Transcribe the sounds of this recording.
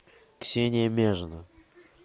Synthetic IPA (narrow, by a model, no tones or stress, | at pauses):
ksʲenʲɪjəmʲeʐɨnə